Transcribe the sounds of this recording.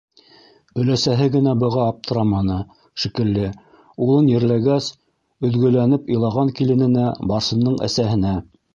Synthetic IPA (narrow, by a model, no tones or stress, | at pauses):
ɵ̆læsæɦɘɡɘ̆næbɤ̆ʁɑːp̚t̪ɤ̆ɾɑmɑnɤ | ʃikɘ̆lːɘ | ulˠɤnjɘ̆ɾlæɡæs | ɵ̆ðɡɵ̆lænɘpɤ̆jlˠɑʁɑŋkilɘ̆nɘ̆næbɑɾsɤ̆nːɤɴæ̰sæɦɘ̆næ